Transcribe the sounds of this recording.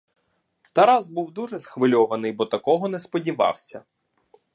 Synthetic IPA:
t̪ɐɾɑzbuwd̪uʒɛsxʋɪlʲɔʋɐnɪjbɔt̪ɐkɔɦɔnɛspɔdʲiʋɑ̰wsʲɐ̰

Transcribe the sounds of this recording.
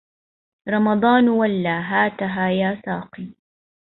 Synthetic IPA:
ɾˤɑmɑd̪ˤɑːnwalːaːɦaːt̪aɦaːjaːsɑːqiː

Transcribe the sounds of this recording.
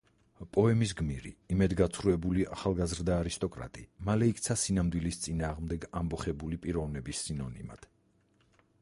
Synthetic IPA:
pʼɔɛmis̬ɡmiɾḭimɛd̪ɡat̪sʰχɾuɛbuliʔaχalˠɡazɾd̪aːɾist̪ʼɔkʼɾa̰t̪ʼimalɛik̚ʰʼt̪sʰasinamd̪wilist̪sʼinaːʁmd̪ɛɡambɔχɛbulipʼiɾɔvnɛbisːinɔnḭma̰d̪̥

